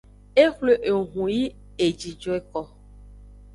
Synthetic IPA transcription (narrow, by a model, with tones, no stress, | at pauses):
e˦xle˨ʔe˨ɦũ˨ji˦ | e˨d͡ʒi˨d͡ʒɔ˦e˨kɔ˨